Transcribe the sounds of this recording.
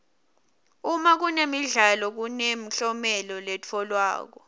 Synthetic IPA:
umak̬unemiɮalɔk̬unem̩ɬɔmɛlɔlɛt͡fʰɔlwa̰ːk̬ɔ

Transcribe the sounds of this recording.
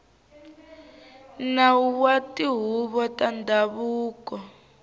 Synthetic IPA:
nauwatʼiɦuβɔtʼandʱaβuːkɔ

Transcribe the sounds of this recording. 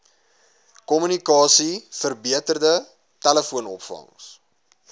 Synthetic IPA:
kɔmynikɑːsifərbiətərdə | tæləfuənɔpfɐ̰ŋs

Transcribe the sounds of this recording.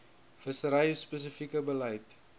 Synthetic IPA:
fəsəɾɐjspəs̬əfikəbəlɐjt

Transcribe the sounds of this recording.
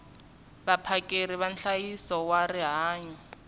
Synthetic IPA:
bapʰakʼeɾiβanɬajisɔwariɦaːɲɔ

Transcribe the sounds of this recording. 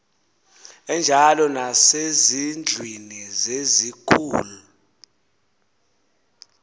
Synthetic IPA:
ɛnd͡ʒʱalɔnasezind͡ɮʱwinizezikʰuːlu

